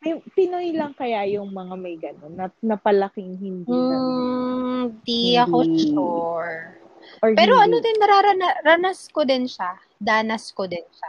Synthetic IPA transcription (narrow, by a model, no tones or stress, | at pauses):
mɐjpɪnojlɐŋkɐjajʊŋmɐŋamɐjɡɐnonːɐnɐpɐlɐkɪŋhɪnd̪i | d̪iɐkot͡ʃʊɹ | ɔɹpɛːɾo̞ʔɐnod̪ɪnnɐɾaːɾɐnɐɾɐnɐskod̪ɪnʃa | d̪aːnɐskod̪ɪnʃa